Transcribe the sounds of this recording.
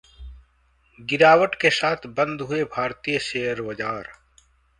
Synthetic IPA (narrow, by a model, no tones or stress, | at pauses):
ɡɪɾaːwəʈkesaːt̪ʰbə̃nd̪ɦʊebʱaːɾt̪ijəʃeːɦəɾʋɐd͡ʒaːɾ